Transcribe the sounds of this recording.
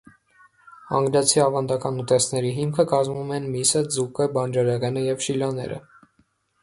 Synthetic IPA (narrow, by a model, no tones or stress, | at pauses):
ɑ̰ŋɡɾɑt͡sʰiɑvɑnd̪ɑkɑnut̪ɛsnɛɾiɦimkʰəkɑzmumɛnmisəd͡zukəbɑnd͡ʒɑɾɛʁɛnəjɛvʃilɑnɛ̰ɾə̰